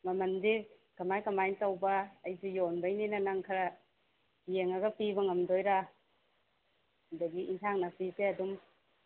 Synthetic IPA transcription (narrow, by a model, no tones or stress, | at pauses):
mɐmɐndi | kɐmajkɐmajntawbɐːjsijonbajninanaŋkʰɐɾa | jeŋaɡɐpibɐŋɐmdojɾa | hdɐɡiintʰaŋnapipeɐdum